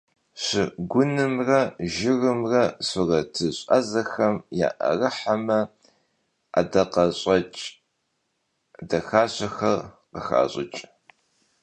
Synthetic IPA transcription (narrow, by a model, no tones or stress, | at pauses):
ɕɪɡʷʊnɨmrɐʒɪrɨmrɐsɨrɐtʰɨɕʼɐ̰zɐxɐmja̰ːʔɐ̰rɨħamɐ | a̰dɐqɐɕʼɐt͡ʃʼ | dɐxaːɕɐxɐrqəxa̰ːɕʼɪt͡ʃʼ